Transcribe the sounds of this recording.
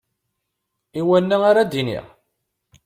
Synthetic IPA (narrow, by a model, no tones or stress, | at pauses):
iwænːæaɾad̪inḭʁ